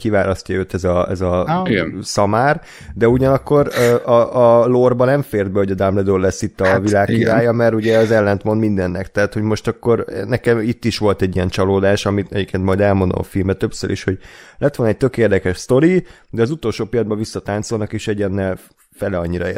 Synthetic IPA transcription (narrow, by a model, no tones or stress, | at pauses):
kivaːlɒscɒøːt̪ɛzɒɛzɒ | sɒmaːr | d̪ɛuɟɒnɒkːo̞ɾøʔɒʔɒlorbɒnɛɱfeːrd̪̚bɛho̞ɟɒd̪amlɛd̪orlɛsːit̪ːɒvilaːkkːiɾaːjɒmɛɾuɟɛɒzɛlːɛnt̪mo̞nd̪mind̪ɛnːɛkt̪ɛat̪ho̞ɟmo̞ʃt̪ɒkːo̞ɾnɛkɛmit̪ːiʃʋo̞lt̪ɛɟːijɛnt͡ʃɒloːd̪aːʃɒmit̪ɛ̰ɟipkʰːeːnt̪mɒjd̪ɛlmo̞nd̪o̰mɒ̰filmbɛt̪øpsø̰ɾʔḭʃho̞ɟlɛt̪ʋolnɒɛc̚t̪økeːrd̪ɛkɛʃst̪o̞ɾid̪ɛɒzut̪o̞lʃoːpijɒd̪bɒvisːɒt̪aːnt̪so̞lnɒkeʃɛɟɛnːɛl | fɛlɛɒɲːiɾɒḛ